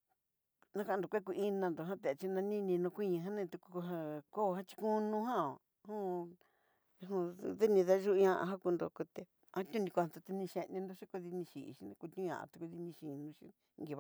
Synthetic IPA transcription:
nã˦kã˧˦˨d̪o˨kʷe˦k̬u˧ʔi˦nã˧nd̪o˨ɦã˦t̪e˨a˨˧t͡ʃi˧nã˧nĩ˦nĩ˧nõ˧kʷi˦ɲĩ˧ɦã˦nẽ˦˧t̪u˧ku˧ku˧ɦã˧ko˦˧hã˦t͡ʃi̥˧kũ˦nũ˧ɦã˦o˨ | hũ˦˧ | ɦũ˧ðe˦nĩ˧ða˦ʒu˦˧ɲã˧ʔã̰˧ɦã˦ku˧nd̪o̰˧ku˧t̪e˧ | ã˦t̪ʲũ˦nĩ˧ko˧˨ã˨t̪o˧t̪e˧nĩ˧ʃe˧nĩ˧nd̪o˧ʃi˦ko˧ði˧nĩ˧ʃḭ˨˧ʃi˦nẽ˧ku˧t̪ũ˦ã̰˨ʔa̰˧˨t̪u˧ku˧ði˧nĩ˧ʃi˨˧nũ˧ʃi˦˧ | ŋɡi˧βa˧˨

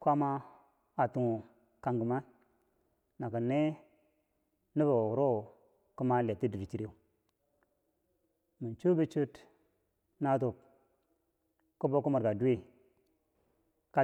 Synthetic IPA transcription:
kʷa˦ma˦ | a˨tu˨ŋu˨ | ka˨ŋɡə˨ma˦ | na˨kə˨ne˦ | nə˦βa˨wu˨ɾo˦˨ | ku˦ma˦la˨ti˦di˨ɾi˨t͡ʃi˦ɾe˦˨ | mi˨nt͡ʃu˦bə˦t͡ʃu˦t | na˦t̬o˨k | ku˦bo˦ku˦ma˨ɾɡa˨du˦we˦ | ka˦

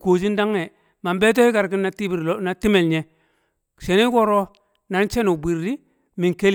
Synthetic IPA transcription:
ko˨d͡ʒ̬i˦n˦da˦ŋːe˨ | ma˨mbe˦t̬o˦hi˦ka˨ɾki˦nːa˦ti˦bi˨ɾna˨ti˦me˨lɲe˨ | ʃe˨ni˦ko˦ɾo˦ | na˨ɾt͡ʃe˦no˨bi˨ɾdi˦ | mi˨ŋke˦l

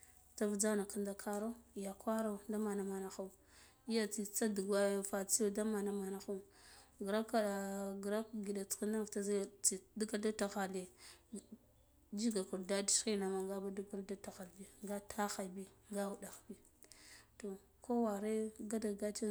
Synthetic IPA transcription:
t͡sa˦vd͡za˦na˨ka˦nda˦kʰa˦ɾa˦˨ja˨kwa˦ɾa˦˨da˦ma˨na˨ma˨na˨xa˦u˨ | i˦ja˦t͡si˨t͡sa˦du˨ɡa˦˨fa˨t͡si˦o˦da˦ma˨na˦ma˨na˨xu˦ | ɡɾa˦ka˦a˨ɡɾa˦kɡi˨da˨t͡ski˦na˦˨vta˦zt͡si˨du˦ka˦lda˦ta˨ɣa˨le˨ | d͡ʒi˦ɡa˨ku˨ɾda˦di˦si˦na˨ma˨ŋɡa˦ba˦du˦ɡa˦lda˦ta˨ɣa˨lbi˨ŋɡa˦tʰa˦xa˨bi˦ɡa˦wu˨da˨xbi˦ | to˨ | ko˦wa˨ɾe˦ɡa˦da˨ɡa˦t͡ʃe˦

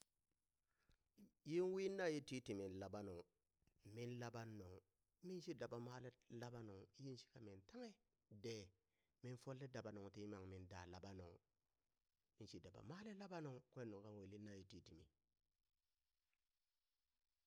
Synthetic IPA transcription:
ji˦nwi˦nːa˦˨ji˦ti˦ti˨mi˨n˨la˨ba˦no˨ŋ | mi˦nla˦ba˦nːo˨ŋ | mi˦nʃi˦da˨ba˨ma˦le˦la˦ba˦no˨ŋ˦ji˦nʃi̥˦ka˨mi˨nta˦ŋe˦ | de˨ | mi˦nfo˦lːe˦da˨ba˨no˨ŋti˦ma˨ŋmi˦nda̰˨la˨ba˦no̰˨ŋ | mi˦nʃi˦da˨ba̰˨maː˦le˦la˦ba˦no˨ŋkʷe˦nːu˨ŋka˦nwe˨li˦nːa˦˨ji˦ti˦ti˨mḭ˨

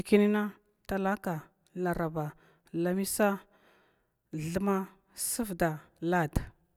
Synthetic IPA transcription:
ki˦ni˦na˦ | ta˦la˦ka˨ | la˨ɾa˨ba˨ | la˨mi˦sa˦ | ɮə˦ma˦ | sə˦vda˨la˦˨d

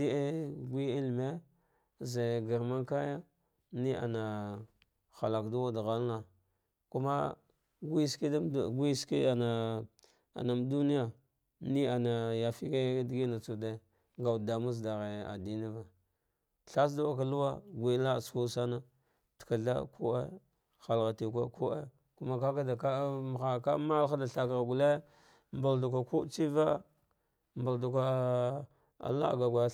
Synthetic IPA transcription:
di˦e˦ɡʷi˦i˦lme˦ | ze˨ɡa˨ɾma˦nka˦ja˦ | ni˦a̰˨na˨ | xa˨la˨kdu˦wa˦da˨ɣa˦lna˨ | ku˦ma̰˦ | ɡʷi˦ski˦˨ɡi˦ski˦a˨na˨ | a̰˨na˨m˦du˦ni˦ja˨ | ni˦a˨na˨ja˨fi˦ka˦dɡi˦na˨t͡su˨de˦˨ | ŋɡa˨wda˨mu˦s̬da˨ɣe˨a̰˨di˦ni˦va˨ | ɬa˦s̬da˦wa˦k̬a˨lu˦wa˦ɡʷi˨˦la˦˨su˦sa˦na˦ | tka˨ɮa̰˦kʰṵ˦a̰˦ | xa˨lɣa˨ti˨kʷa˦ku˦ʔḛ˦ | ku˦ma˦ka˦ka˦da˨ka˦m˨xa˨ka˦ma˦la˦da˨ɬa˨ka˨ɾɡu˨le˦ | mba˨ldu˨k̬ʷa˨ku˦t͡ʃi˦va˦ | mba˨ldu˨ka˨ | a̰˨la̰˦˨ɡa˨ɡʷa˨

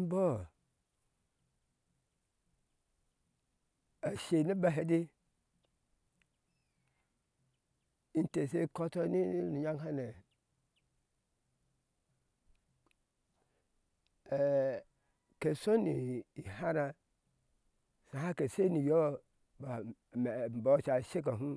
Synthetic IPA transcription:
bɔ˦ | a˨ʃe˨ni˦ba˦ɦe˨di˦ | n̩˦te˨se˦ko˦tɔ˦ni˦nu˨ɲa˦ŋha˦ne˨ | ke˨so˦ni˨i˨ha˦na˨ | sa˨ha˦ke˨se˦ni˨jo˦ | b | m˨m˨bo˨˦˨t͡ʃa˨ʃe˦k̬a˨ɦũ˦

